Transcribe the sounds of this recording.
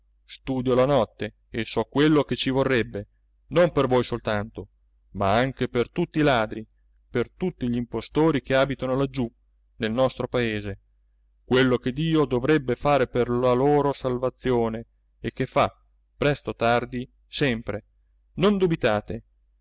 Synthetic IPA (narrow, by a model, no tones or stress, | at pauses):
st̪uːd̪jolanɔt̪ːe | esɔkːwelːok̟et͡ʃivorːɛbːe | nompervojsolt̪ant̪o | maaŋk̟epert̪ut̪ːiːlaːd̪ɾi | pert̪ut̪ːiʎimpost̪oːɾikeaːbit̪anolad͡ʒːu | nelnɔst̪ɾopaeːze | kwelːok̟ed̪iːod̪ovɾɛbːefaːɾeperlaloːɾosalvat̪sːjoːneː | k̟ːefːa | pɾɛst̪ot̪ard̪i | sɛmpɾe | nond̪ubit̪aːt̪e